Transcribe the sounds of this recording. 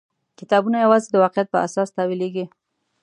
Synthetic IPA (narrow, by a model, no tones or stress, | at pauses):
kɪt̪ɑbunajawɑzed̪əwɑqɪjat̪̚pəa̰sɑst̪ɑwileɡi